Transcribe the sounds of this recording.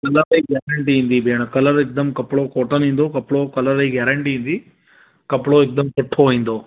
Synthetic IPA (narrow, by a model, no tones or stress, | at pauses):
kɐlɐɾɐjɡjaːɾɐɳʈiind̪ibʱeːɳɐkɐlɐɾek̚d̪ɐmkɐpːɭoːkɔːʈɐnind̪oːkɐpːɭoːkɐlɐɾɐjɡjaːɾɐɳʈijind̪i | kɐpːɭoːek̚d̪ɐmt͡ʃeʈʰːoːjind̪oː